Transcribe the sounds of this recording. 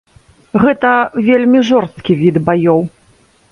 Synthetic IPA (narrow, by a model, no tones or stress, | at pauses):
ɣɛt̪ɐvʲelʲmʲiʐɔrst̪kʲivʲid̪bajɔw